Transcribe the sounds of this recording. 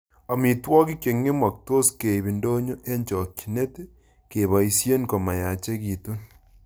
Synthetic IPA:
a˨mi˨twɔ˦k̬i˦ke˨ŋːe˦mwa˨k̚to˦ske˨i˨βi˨ndo˦ɲo˦ʔe˦ɲt͡ʃɔ˨kːi̥˨ne˦te˦ | ke˨βa˨i˦sje˦nko˨ma˨ja˨t͡ʃe˦ki˨tu˦n

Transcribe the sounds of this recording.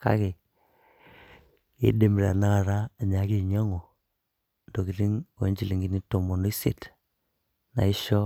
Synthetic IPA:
ka̰˦ke˨ | ḛ˨˦de˨mi˨la˨na˦ka˨ɾa˦a˨ɲa˨˦ki˦˨ɲa˦ŋo˨ | ndo˨ki˨li˦ŋo̰˨˦ɲd͡ʒi˦li˨ŋɡi˦ni˦to˨mo˨no˦i˦sḛ˨t | na̰˨ɪ˦ʃɔ˦

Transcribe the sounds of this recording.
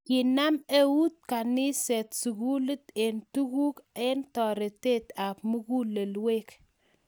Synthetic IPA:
ki˨na˦me˦wu˦t̚ka˨ni˦se˨tsu˨ku˦lɨ˦te˨ntu˦ku˦ke˦ntɔ˨ɾe˨te˦ta˨p̚mu˦ku˦le˨lwe˦k

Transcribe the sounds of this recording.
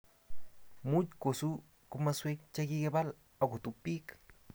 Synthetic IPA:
mutko˨su˦ | ko˧maswek̚t͡ʃaki˦ke˦ba˦l | a˨ko˨t̪u˧pik

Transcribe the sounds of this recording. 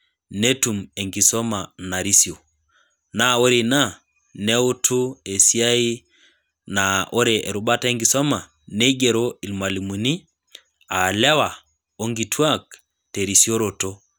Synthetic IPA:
ne˦tu˨me˨ŋɡi˨sɔ˦ma˨na˨ɾi˦sjo˨ | na˦o˦ɾi˨na˦ | ne˦u˦tʰu˦e˨si˦a˦i˦ | nao˦ɾe˨ʔe˨ɾu˨ba˦ta˦e˦ŋɡi˨sɔ˦ma˨ | ne˦ɡe˨ɾo˦i˨lma˨li˨mu˨ni˦ | a˨la˦wa˨ | o˦ŋɡi˨tʰwa˦k̚ | te˨ɾi˨sjo˦ɾo˨to˦

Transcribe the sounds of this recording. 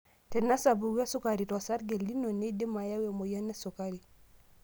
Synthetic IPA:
tɛ˨na˦sa˨bu˨wa˦su˦ka˨ɾi˨ta˨sa˦ɾɡɛ˨li˦nɔ˨nɛ˦dɛ˦ma˨ja˦wɛ˨mɔ˨ja˦nɛ˦su˨ka˦ɾi˨

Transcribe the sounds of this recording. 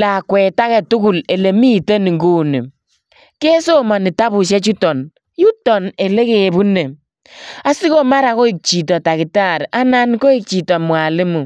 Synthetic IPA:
la˨kwɛ˨ta˦kɛ˨tu˦ku˨le˨le˨mi˦˨te˦ni˨ŋɡu˦ne˨ | ke˦so˦ma˨ni˨ta˦bu˨ʃ̬ɛ˦t͡ʃu˦tɔ˨n | ju˦tɔ˨ne˨le˦ke˨bu˦ne˨ | a˦si˦ko˦ma˦ɾa˨ko˦i˦˨k̚t͡ʃi˨tɔ˨ta˨ki˨ta˦˨ɾa˦na˦nko˦i˦˨k̚t͡ʃi˨tɔ˨mwa˨le˦mu˨

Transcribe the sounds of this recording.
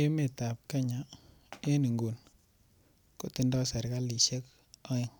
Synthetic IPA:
e˦me˨ta˨p̚ka˦ɲa˨ | e˦ni˨ŋɡo˨n | ko˨ti˦ndɔ˦sa˨ɾka˦li˨ʃe˦k | ɔ˦ɪ˨ŋ

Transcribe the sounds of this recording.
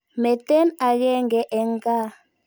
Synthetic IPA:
mɛ˨tʼɛ˦na˨k̬ɛ˦ŋɡɛ˨˦ʔɛ˨ŋ˦kʼa˦

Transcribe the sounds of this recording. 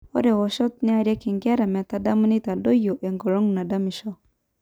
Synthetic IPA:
o̰˦de˨wo˨ʃo˦t̪̚ne˦a˨ɾe˦ki˨ŋɡa˦ɾa˨mɛ˨t̪a˦da˦mə˦ni˦t̪a˨do˦jo˨ʔe˨ŋɡo˨ɾo˦ŋna˨da˦mi˨ʃo˦

